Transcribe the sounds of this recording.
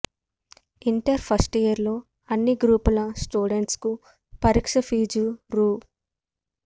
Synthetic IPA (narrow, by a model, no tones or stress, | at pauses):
iɳʈɐɾpʰɐsʈijɐɾlo̞ː | ɐnːiɡɾuːpulɐsʈuːɖeɳʈsku | pɐɾiːkʂɐfiːd͡ʒuɾuː